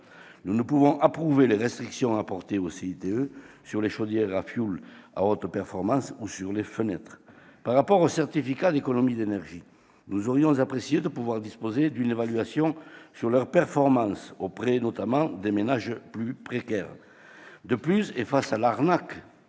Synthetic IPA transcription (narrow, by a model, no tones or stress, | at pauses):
nunupuvɔ̃ʔapχuveleʁɛst̪χiksjɔ̃apɔʁt̪eoseit̪eø | syʁleʃɔd̪jɛʁafjula̰ot̪χəpɛʁfɔʁmɑ̃susyʁlefənɛt̪χəpaʁːapɔʁosɛʁt̪ifikad̪ekɔnɔmid̪enɛʁʒi | nuzɔʁjɔ̃zapχesjed̪əpuvwaʁd̪ispozed̪ynevalyasjɔ̃syʁlœʁpɛʁfɔʁmɑ̃sopχenɔt̪amɑ̃d̪emenaʒplypχekɛʁ | d̪əplysefasalaʁnak